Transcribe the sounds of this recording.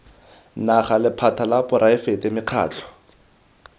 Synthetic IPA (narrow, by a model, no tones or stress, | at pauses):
naχalɪpʰatʰalapʊɾaɪfetɪmɪq͡χʰa̰ːt͡ɬʰɔ̥